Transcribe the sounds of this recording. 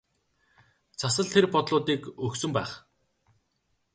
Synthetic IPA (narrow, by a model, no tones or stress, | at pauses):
t͡sʰasə̆ɮt̪ʰerpɔt̪ɮʊːt̪iːkɵksɵ̆mpæːχ